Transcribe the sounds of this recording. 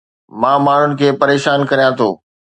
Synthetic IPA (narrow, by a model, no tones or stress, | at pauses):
mãːmaːɳ̤ʊnɪ̆kʰeːpɐɾeːʃaːnkɐɾijãt̪ʰoː